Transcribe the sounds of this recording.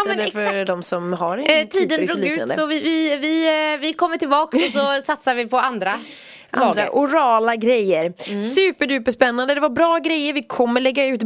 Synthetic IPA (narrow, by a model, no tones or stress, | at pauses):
ɛːəɾfœɾd̪ɔmsɔmɦaɾɪt̪ʰiːd̪ənɾuːliʉ̟ːna̰d̪əsɔvɪvɪvɪvɪkʰɔmːəʈɪlbɑːksɔsɔsat̪savɪpʰɔand̪ɾa | ʔaaɑːɡ̪ɾaʔʊɾɑːlaɡɾɛjːəɾsʉ̟ːpəjʉ̟ːpəʂpɛnːand̪əd̪ɛvaɾbɾɑːɡɾɛjːəɾvɪkʰɔmːəɭɛɡːaʉ̟ːt̪